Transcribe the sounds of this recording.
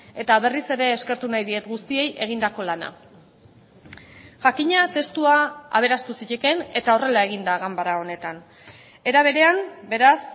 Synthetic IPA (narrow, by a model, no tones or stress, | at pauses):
e̞t̪aβ̞e̞rise̞ɾe̞ːske̞ɾt̪unajðie̞t̪ɡust̪ie̞jʔe̞ɣ̞ind̪ako̞lana̰ | ʝakiɲat̪e̞st̪uaa̰β̞e̞ɾast̪usiʎeke̞ne̞t̪ao̞re̞lae̞ɣ̞ind̪aɣambaɾao̞ne̞t̪an | e̞ɾaβ̞e̞ɾe̞ambe̞ɾas